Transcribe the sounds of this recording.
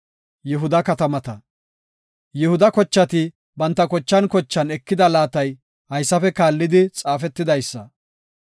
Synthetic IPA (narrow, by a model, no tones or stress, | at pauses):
jɛɦʊd̪ɐkɐt̪ɐmɐt̪ɐ | jɛhʊd̪ɐkɔt͡ʃːɐt̪ɪ | bɐnt̪ːɐkɔt͡ʃːɐnkɔt͡ʃːɐnɛkːɪd̪ɐlaːt̪ɐj | hɐjsːɐfɛkaːlːɪd̪ɪt͡sʼaːfɛt̪ːɪd̪ɐjsːɐ